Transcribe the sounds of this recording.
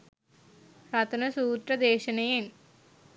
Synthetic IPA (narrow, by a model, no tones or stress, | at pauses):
ɾɐt̪ɐnɐsuːt̪ɾɐd̪eːɕɐnɐjen